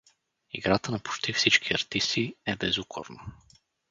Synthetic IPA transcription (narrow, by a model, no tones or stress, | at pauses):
ḭɡɾat̪ənɐpʊ̥t͡ʃt̪ifsit͡ʃkʰiɐɾt̪ist̪iɛbɛzukʰo̰ɾnə